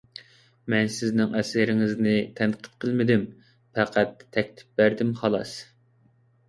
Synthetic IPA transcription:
mɛnsɪznɪŋʔɛsɪɾɪŋɪznɪt̪ʰænqʰə̥t̪qʰəlˠmɪd̪ɪm | pʰæqʰæt̪ʰːɛkʲt̪ʰɪ̥p̚bæɾd̪ɪmχɑlˠɑ̰s

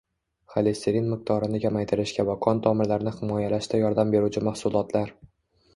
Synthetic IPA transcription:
χalest̪eɾinmɪq̚t̪ʰɒɾɪnɪkʲʰamajt̪ʰɪɾɪʃkʲavakʰɒnt̪ʰɒmɪɾlaɾɪnɪhɪmɒjalaʃt̪ʰajɒɾd̪ambe̞ɾut͡ʃʰɪmahsʊlˠɒt̪ʰlaɾ

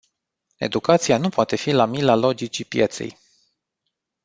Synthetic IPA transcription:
e̞̰d̪ukat̪sianupoat̪e̞filamilalo̞d͡ʒit͡ʃipjet̪sḛj

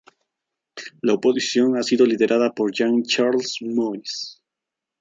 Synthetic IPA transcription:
laopo̞sisjo̞ŋasiðo̞liðe̞ɾʔaðapoɾʝaŋt͡ʃaɾlsmojs

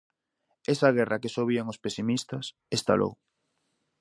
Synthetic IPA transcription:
esaɣ̞ɛrakesoβ̞iaŋospesimist̪ɐs | est̪a̰lo̰w

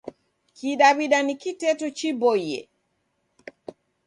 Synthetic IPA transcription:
kiɗaβiɗanikitɛtut͡ʃibɔjɛ̰

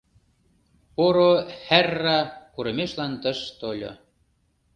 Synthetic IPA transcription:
poɾohærːɑkuɾə̆meʃlɑnt̪ə̆ʃt̪olʲo̰

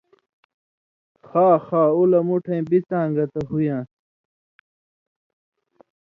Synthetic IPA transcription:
xaːxaːulɐmuʈʰɐjbit͡sãːŋɡɐt̪ɐɦujãː

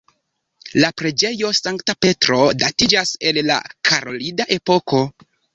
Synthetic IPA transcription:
lapɾed͡ʒe̞jo̞saŋktape̞tɾo̞datid͡ʒase̞lla̰kʰaɾo̞lidaʔe̞po̞ko̞

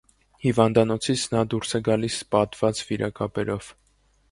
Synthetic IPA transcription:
hivɑnd̪ɑnɔt͡sʰit͡sʰnɑd̪uɾsɛɡɑlispɑt̪v̥ɑt͡sviɾʔɑkɑpɛɾɔv̥

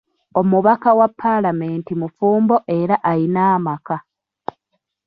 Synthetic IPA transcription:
o̞muβakawapʰːalameːntimufuːmbo̞ʔe̞ɾaʔajinaːmaka

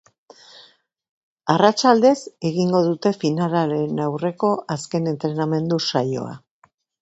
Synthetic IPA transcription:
arat͡ʃald̪e̞se̞ɣiŋɡo̞ðut̪e̞finalaɾe̞nawre̞ko̞ʔaske̞ne̞nt̪ɾe̞name̞nd̪usajo̞̰a̰

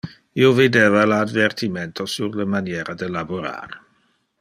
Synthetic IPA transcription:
iwvedɛvaladvɛrtʰimɛntʰɔsurləmanjɛɾadɛlabuɾa̰ːr

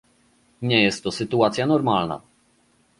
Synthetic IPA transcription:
ɲɛjɛst̪ːɔsɘt̪uat̪sʲjanɔɾmalna̰

